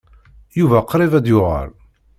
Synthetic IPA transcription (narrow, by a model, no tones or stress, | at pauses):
juvæqɾˤɪvæd̪jʊʁa̰l